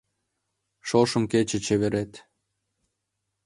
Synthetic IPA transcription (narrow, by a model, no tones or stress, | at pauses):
ʃoʃə̆mket͡ɕĕt͡ɕeβeɾet̪